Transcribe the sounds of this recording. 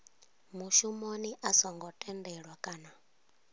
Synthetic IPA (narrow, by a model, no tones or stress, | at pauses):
muʃumoniʔasɔŋɡɔtʼɛndɛɺwakʼaːna